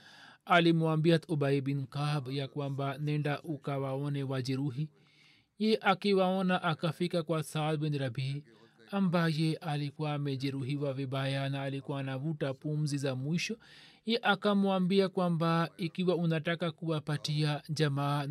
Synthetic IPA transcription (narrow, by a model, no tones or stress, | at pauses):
alimuambiat̪ɔɓaibinkabjakwambanɛndaʔukawaɔnɛwad͡ʒɛɾuɦi | jɛɛʔakiwaɔnaʔakafikakwasalbɛnɾabi | ambajɛʔalikuwaːmɛʄɛɾuɦiwaviɓajanaːlikuwaːnavutapum̩zizamwiʃɔjɛʔakamuambiakwambaikiwaunatakakuwapatiad͡ʒamaː